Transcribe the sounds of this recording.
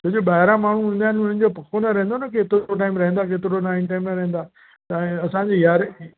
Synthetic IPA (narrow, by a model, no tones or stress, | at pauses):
t̪od͡ʑoɓaːɦɪɾãmaːɳ̤uɦũːnd̪jaːɪnʊnən̆d͡ʑopɐkʰonaɾɐ̃ɦẽnd̪onɐkeːt̪ɪɾoʈ̬aːɪmɾɐɦẽnd̪akeːt̪ɪɾonaːɪnʈaːɪmɾɐɦẽn̆d̪aː | t̪ɐ̃ɐsãɲd͡ʑeːjaːɾ